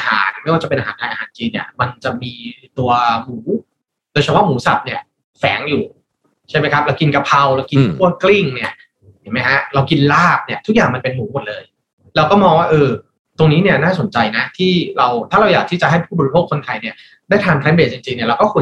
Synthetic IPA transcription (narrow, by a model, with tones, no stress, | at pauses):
ʔa˧ha̰ː˩˦nma˥˩jwaː˥˩a˨˩pe˧nʔa˧aː˩˦ntʰaː˧jʔa˧ɦaː˩˦nt͡ɕiː˧nːi˥˩ɐma˧nt͡ɕa˨˩miː˧t̪u˧ɐmuː˩˦ | doː˧t͡ɕʰa˦˥wa˥˩muː˩˦sa˨˩p̚ni˥˩ɐ | fɛ̰ː˩˦ŋjuː˨˩ | t͡ɕʰa˥˩jma˦˥jkʰa˦˥p̚ɾa˧wki˧nka˧pʰa˧wɾa˧wki˧nkʰu˥˩ɐkli˥˩ŋni˥˩ɐ | jʰi˨˩˦ma˦˥jkʰa˦˥ɾa˧wki˧nlaː˥˩p̚ni˥˩ɐt̪ʰu˦˥k̚jaː˨˩ŋma˧npe˧nmuː˩˦mo˨˩t̪̚lɤː˧j | lɛː˧wkɔː˥˩mɔː˧ŋwaː˥˩ʔɤː˧ | t̪o˧ŋniː˦˥ni˥˩ɐnaː˥˩so˨˩˦nt͡ɕa˧jna˦˥t̪ʰiː˥˩ɾa˧wt̪ʰaː˥˩ɾa˧wjaː˨˩t̪ʰiː˥˩t͡ɕa˨˩ɦa˥˩jpʰuː˥˩bɔː˨ɾi˧pʰoː˥˩kʰːo˧nt̪ʰa˧jni˥˩ɐ | daː˥˩jt̪ʰaː˧npʰlɛː˦˥nbeː˨˩t̪̚t͡ɕi˧ŋt͡ɕi˧ŋni˥˩ɐɾa˧wkɔː˥˩kʰu˧